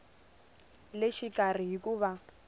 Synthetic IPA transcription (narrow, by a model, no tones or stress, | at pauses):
lɪʃikʼariɦikuːβa